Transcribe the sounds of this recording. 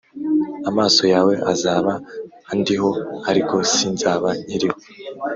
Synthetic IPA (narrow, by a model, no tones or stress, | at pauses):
amaːso̞jaːwe̞ʔazaːβa | andiɦo̞haɾiko̞sinzaːβaiɾiho